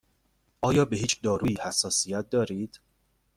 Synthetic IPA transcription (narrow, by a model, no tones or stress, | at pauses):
ʔɒːjɒːbe̞hiːt͡ʃʰd̪ɒːɾuːjiːhæsːɒːsijæt̪̚d̪ɒːɾiːd̪̥